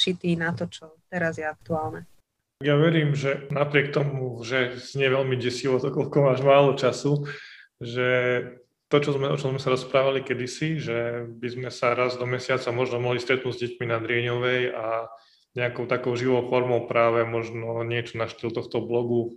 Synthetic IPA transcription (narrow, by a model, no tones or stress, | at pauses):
ʃit̪iːnat̪ɔt͡ʃɔt̪ɛɾazjɛak̚t̪uaːlnɛ | aɡjaʋɛɾiːmʒɛnapɾɪɛk̚t̪ɔmuʒɛzɲɪɛʋɛlmiɟɛsiʋɔt̪ɔkɔlkɔmaːʒmaːlɔt͡ʃasu | ʒɛ | t̪ɔt͡ʃɔzmɛɔt͡ʃɔmzmɛsaɾɔspɾaːʋalikɛd̪isiʒɛbizmɛsaɾazd̪ɔmɛsɪat͡samɔʒnɔmɔɦlist̪ɾɛt̪nuːɟzɟɛcminad̪ɾɪɛɲɔʋɛja | ɲɛakɔʊt̪akɔʊʒiʋɔʊfɔɾmɔʊpɾaːʋɛmɔʒnɔɲɪɛt͡ʃɔnaʃt̪ilt̪ɔxt̪ɔblɔɡu